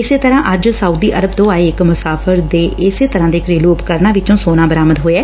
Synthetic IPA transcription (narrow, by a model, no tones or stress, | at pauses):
ɪseːt̪əɾãːʔəd͡ʒsəuːd̪iːʔəɾəb̚t̪õːaːeːɪkmʊsaːpʰəɾd̪eːʔɪseːt̪əɾãːd̪eːkɾeːluːpkəɾnaːʋɪt͡ʃõːsoːnãːbəɾaːməd̪ɦoːeɛː